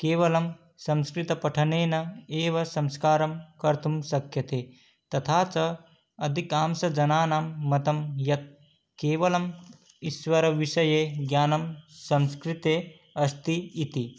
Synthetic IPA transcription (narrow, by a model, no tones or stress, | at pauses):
keːʋɐlɐm | sɐ̃mskɾit̪ɐpɐʈʰɐneːnɐeːʋɐsɐ̃mskaːɾɐmkɐɾt̪ʰumsɐkʰjɐt̪e | t̪ɐt̪ʰaːt͡sɐ | ɐd̪ʱikaːmsɐd͡ʒɐnaːnaːmːɐt̪ɐmjɐt̪̚ | keːʋɐlɐm | iswɐɾɐʋiʃɐjeːɡjaːnɐmsɐmskɾit̪eː | ɐst̪iːt̪i